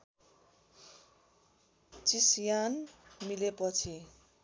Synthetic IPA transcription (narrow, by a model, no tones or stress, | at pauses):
t͡sisjanmilepʌt͡sʰi